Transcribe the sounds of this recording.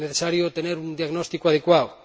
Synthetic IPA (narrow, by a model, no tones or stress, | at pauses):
neθesaɾjot̪eneɾund̪jaɣnɔst̪ikoaðekwaw